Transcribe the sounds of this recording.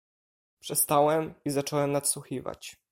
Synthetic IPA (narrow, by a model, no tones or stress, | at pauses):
pʂɛst̪awɛmizat͡ʂɔwɛmnat̪swuxʲiva̰t͡ɕ